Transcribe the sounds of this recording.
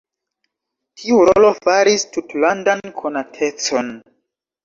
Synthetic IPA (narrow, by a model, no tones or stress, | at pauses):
tʰiuɾolo̞faɾistutlandankʰonatʰe̞t͡so̞n